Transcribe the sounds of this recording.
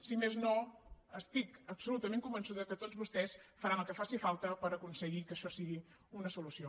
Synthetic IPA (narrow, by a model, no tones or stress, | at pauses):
simeznoəst̪ikəpsulut̪əmẽŋkumbənsuðəkət̪ozβust̪ɛsfəɾanəlˠkəfasifalˠt̪əpəɾəkunsəɣikəʃɔsiɣi | unəsulusio